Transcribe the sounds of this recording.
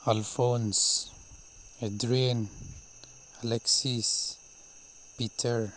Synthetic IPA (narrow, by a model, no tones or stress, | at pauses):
alfõns | ɛdɾian | alɛksis | pitʰəɹ